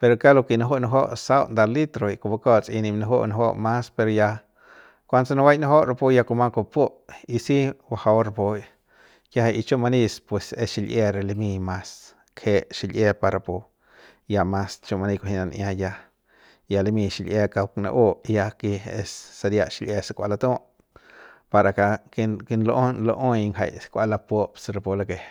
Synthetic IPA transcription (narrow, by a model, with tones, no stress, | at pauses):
pe˧ɾo˧ka˦lo˧ki˧na˧ɦo˦na˧ɦo̰˦ʔsa˦wnd̪a˧li˦t̪ɾo˨i˧ko˧ba˧ko˦t͡sʼi˧ni˧mna˧ɦo˦ʔna˧ɦo˦ʔma˦spe˧ɾo˧ja˧ | kʷa˧nsa˧na˧wa˦jna˦ɦo˦ʔɾa˧po˧ja˧ko˧ma˦ko˧po˦ʔi˧si˦wa˧ha˧˦ɾa˧po˧j | ka˦hʔi˧t͡ʃo˦ma˧ni˦˧spwe˧se˧sʃi˧lʔe˦˧ɾe˨li˧mi˧ma˧s | kʰe˧ʃi˧lʔe˦pa˧ɾa˨po˧ | ja˧ma˧st͡ʃo˧ma˧ni˧ko˧ɦi˧na˧nʔja˧ja˧ | ja˧le˧mi˧ʃi˧lʔe˧ka˧wkna̰˧ʔo˦ja˧ki˧e˧sːa˧ɾja˧ʃi˧lʔe˧sa˧kʷa̰˧la˧t̪õ˦ʔ | pa˧ɾa˨ka˧kki˧nlo˧ʔo˦nlo˧ʔo˦jŋha̰˧jskʷa˧la˧po˦psɾa˧po˧la˧ke˧